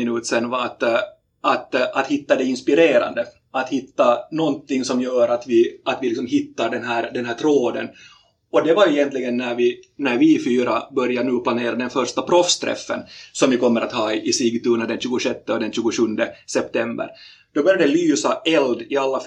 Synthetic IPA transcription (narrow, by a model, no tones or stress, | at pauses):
ɪnʉːt̪sɛnvaat̪ | at̪ʔat̪hɪt̪ːad̪ɛɪnspɪɾeːɾa̰nd̪ə | at̪hɪt̪ːanɔnt̪ɪŋːsɔmjœːɾat̪vɪat̪vɪlɪks̬ɔmɦɪt̪ːaɖɛnɦæːɾd̪ɛnɦæːʈ̪ʰɾoːd̪ə̰n | ɔd̪ɛvaɾjɛjɛnt̪lɪɡənːæɾvɪnæɾvɪfyːɾa̰bœɾjanʉːpʰlaneːɾad̪ɛnfœɾʂt̪apʰɾɔfst̪ɾɛ̰fːə̰nsɔmvɪkɔmːəɾat̪hɑːɪʔɪsiːɡt̪ʉːɳad̪ɛnɕʉːɡʊʂɛt̪ːəɔd̪ɛnɕʉːɡʊʂɵnd̪əsɛp̚t̪ɛmbə̰ɾ | d̪̥ɔbœɾjad̪ɛlyːsaʔɛld̪ɪalːa